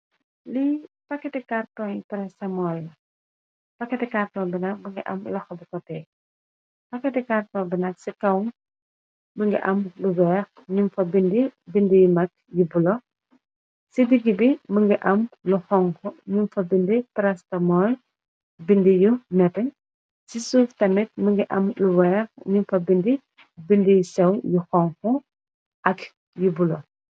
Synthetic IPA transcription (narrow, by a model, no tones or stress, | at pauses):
lipɐkːɛtɛkartɔnjpɛɾɛstɐmɔlːɐ | pɐkːɛtɛkartɔːnbinɐk̚bəŋɡiʔɐ̰mlɐxɔbikɔtɛː | pɐkːɛtɛkartɔːbinɐk̚sikɐwn | bəŋɡḭʔɐmlubɛːx | ɲumfɐbindibindijumɐk̚jubulɔ | sidiɡibiməŋɡiʔɐmluxɔŋkɔɲunfɐbindipɾɐstɐmɔl | bindijumɛtɐɲ | sisuːftɐmit̚məŋɡiʔɐmluwɛxɲunfɐbindi | bindijusɛwjuxɔŋxɔ | ʔɐk | jubulɔ